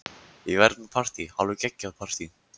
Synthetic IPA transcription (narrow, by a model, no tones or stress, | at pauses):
ivɛɾt̪napʰar̥t̪ihalvʏcɛcːaðpʰar̥t̪i